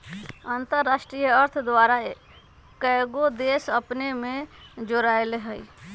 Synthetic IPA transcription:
ant̪əɾːasʈɾijəəɾt̪ʰd̪ʋaɾa | kəjɡod̪esəpnemẽd͡ʒoɾaelɦəj

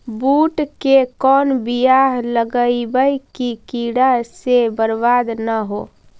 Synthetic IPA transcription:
buʈkekɔːnbijaɦləɡəibəjkikiɽasebəɾbad̪nəɦo

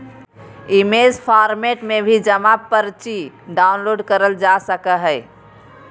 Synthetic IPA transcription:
imed͡ʒpʰaɾmeʈmebʱid͡ʒəmapəɾt͡ʃi | ɖaʊnloɖkəɾəld͡ʒasəkəɦəɪ

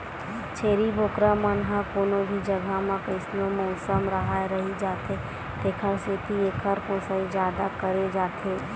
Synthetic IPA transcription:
t͡ʃʰeːɾibʱoːkɾamənɦãkoːnõbʱid͡ʒɐɡʱamãkəɪslomɔːsəmɾəɦaɾɐɦid͡ʒaːt̪e | t̪eːkʰəɾseːt̪ʰieːkʰəɾkõːsaid͡ʒjaːd̪akəɾed͡ʒaːt̪eː

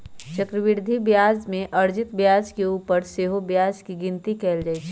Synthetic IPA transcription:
t͡ʃɐkɾəʋɪɾd̪ʱibjaːd͡ʒmẽʔɐɾd͡ʒɪt̪bjaːd͡ʒkeuːpəɾseːɦobjaːd͡ʒkiɡɪ̃nt̪ikɛːld͡ʒaːɛt͡ʃʰɛ

